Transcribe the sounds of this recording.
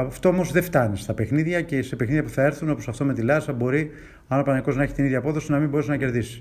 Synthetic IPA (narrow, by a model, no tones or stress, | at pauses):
ɐft̪o̞omozðe̞ft̪ɐnist̪ɐpexniðʝɐce̞se̞pexniðjɐpuθɐe̞ɾθuno̞posɐft̪o̞me̞t̪ilɐsɐbo̞ɾi | ɐnopɐnɐiko̞znɐe̞çi̥t̪iniðʝɐːpo̞ðo̞sinɐmimbo̞ɾesnɐce̞ɾðisi̥